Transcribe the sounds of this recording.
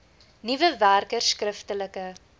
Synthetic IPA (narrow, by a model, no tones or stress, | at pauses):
nivəværkərskrəftələkə